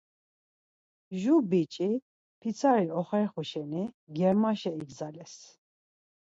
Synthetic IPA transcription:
ʒubit͡ʃʼi | pʰit͡sʰaɾiɔχɛɾχuʃɛni | ɡɛɾmaʃɛiɡzalɛs

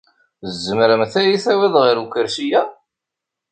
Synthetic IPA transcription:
zːəmɾəmθæjiθæwiðˤʁiɾukəɾʃijæ

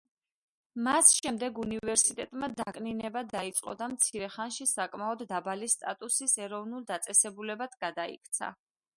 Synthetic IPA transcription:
masʃɛmd̪ɛɡunivɛɾsit̪ʼɛt̪ʼmad̪akʼninɛbad̪ait̪sʼqʼɔ̰d̪amt̪sʰiɾɛχanʃisakʼmaɔd̪ːabalist̪ʼat̪ʼusisɛɾɔvnulˠd̪at̪sʼɛsɛbulɛbat̪ʰɡ̥ad̪aḭkʰt̪sʰa̰

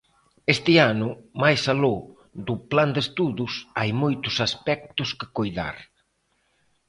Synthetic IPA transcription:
est̪ɪanʊmajsalo | d̪ʊpland̪est̪uðʊsajmojt̪ʊsaspɛk̚t̪ʊskɪ̥kojða̰ɾ

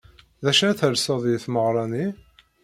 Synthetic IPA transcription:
ðæʃæθəɾsɑðˤjəθməʁɾˤɑni

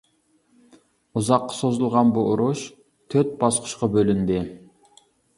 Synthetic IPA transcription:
uzɑqːɑ̥sozulˠʁɑnbuoɾuʃ | t̪ʰøɾt̪̚bɑsqʰʊ̥ʃqɑbølynd̪ɪ

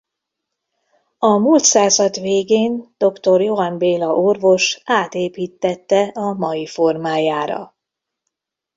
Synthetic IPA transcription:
ɒmuːlt̪saːzɒd̪veːɡeːnd̪̥o̞kt̪o̞rjo̞ɦɒmbeːlɒʔorvo̞ʃaːt̪eːpiːt̪ːɛt̪ːɛɒmɒjifo̞rmaːjaːɾɒ̰

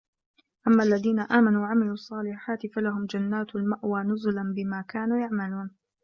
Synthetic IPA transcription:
ʔamːaːʔlːaðiːnaʔaːmanuːwaʕamɪluːʔɑsˤːɑːlɪħaːt̪ɪfalaɦʊmd͡ʒanːaːt̪almaʔwaːnʊzʊlanbɪmaːkaːnuːjaʕmaluːn

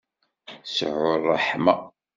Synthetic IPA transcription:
sʕʊɾˤːɑħmæ

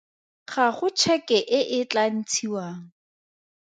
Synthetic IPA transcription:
χaχʊt͡ʃʰɛkɛʔɪʔɪt͡ɬan̩t͡sʰiwaːŋ̩

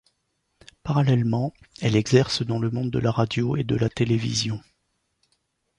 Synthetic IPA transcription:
paʁalɛlmɑ̃ | ɛlɛɡzɛʁsd̪ɑ̃ləmɔ̃d̪̚ːəlaʁad̪joed̪əlat̪elevḭzjɔ̃

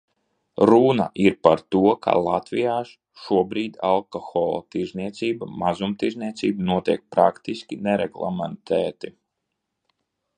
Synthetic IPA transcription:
ɾuna̰ʔiɾpaɾt̪uɔkʰa̰lˠat̪vijaːʃ | ʃuɔbɾiːd̪ʲalˠkɔxɔlˠɔ̰t̪iɾzniɛt̪siːbamazumt̪iɾzniɛt̪siːbnuɔt̪iɛk̚pɾakt̪iskʲinɛɾɛ̰ɡlˠa̰mɛnt̪ʰɛːt̪i

